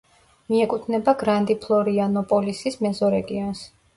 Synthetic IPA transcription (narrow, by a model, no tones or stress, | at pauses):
miɛkʼut̪ʰnɛbaɡɾand̪ipʰlˠɔɾianɔpʼɔlisismɛzɔɾɛɡians